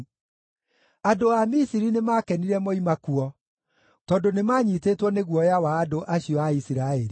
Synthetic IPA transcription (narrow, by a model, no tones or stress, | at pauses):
adoamisiɾinemakɛniɾɛmoimakuɔ | tɔndonemaːɲitetwɔneɣwɔjawaːdoʔaɕiɔaisiɾaeɾi